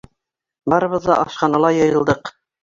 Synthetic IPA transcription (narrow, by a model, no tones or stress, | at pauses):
bɑɾɤ̆βɤ̆ðːɑʔɑʃqɑnɑlˠɑjɤ̆jɤ̆lˠd̪ɤq